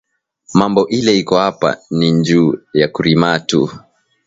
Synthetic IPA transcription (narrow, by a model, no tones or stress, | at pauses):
mambɔʔilɛikɔhapa̰niɲd͡ʒuːjakuɾimatṵ